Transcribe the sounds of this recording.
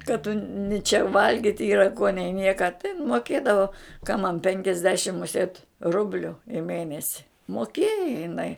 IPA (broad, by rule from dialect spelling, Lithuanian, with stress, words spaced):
kɐ tʊ nʲɪ t͡ʃʲɛ ˈʋɐlʲɡʲɪtʲ ˈiːrɐ koː nʲɛɪ ˈnʲiɛkɐ tɐɪ ɪn moːˈkʲeːdɐʋoː kɐ mɐn ˈpʲɛŋʲkʲɛzʲdʲɛʃʲɪm mʊˈsʲeːt ˈrʊbʲlʲʊ ɪ ˈmʲeːnʲɛsʲɪ moːˈkʲeːjɛ jɪˈnɐɪ